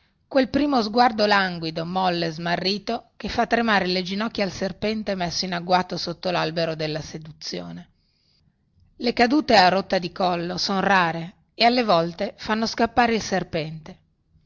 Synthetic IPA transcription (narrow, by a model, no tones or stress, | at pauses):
kwelpɾiːmozɡward̪olaŋɡwid̪omɔlːezmarːiːt̪okefːat̪ːɾemaːɾeled͡ʒinɔkːjaalserpɛnt̪emɛsːoinaɡwaːt̪osot̪ːolalbeɾod̪elːased̪ut̪sːjo̰ːne | lekad̪uːt̪earot̪ːad̪ikɔlːosonraːɾe | ealːevɔlt̪efanːoskapːaːɾeilserpɛnt̪e